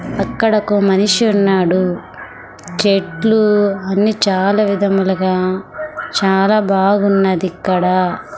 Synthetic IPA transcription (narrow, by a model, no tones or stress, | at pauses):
ɐkːɐɽɐkumɐniʂiunːaːɽu | t͡ʃeʈluɐnːit͡ʃaːlɐʋid̪ʱɐmulɐɡaː | t͡ʃaːlaːbaːɡunːɐd̪ikːɐɽɐ